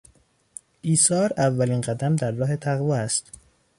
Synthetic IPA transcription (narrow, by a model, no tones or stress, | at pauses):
ʔiːsɒːɾævːæliːnɢæd̪æmd̪æɾːɒːɦe̞t̪ʰæɣvɒːæst̪